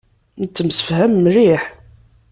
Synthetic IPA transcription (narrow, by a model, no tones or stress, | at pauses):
nət͡s̪ːəmsə̥fhæmːriħ